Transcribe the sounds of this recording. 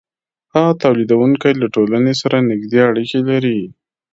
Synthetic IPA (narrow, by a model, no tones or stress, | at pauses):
hat̪awlid̪awuŋkajlaʈolanesaɾanɪɡd̪eaɽikelaɾi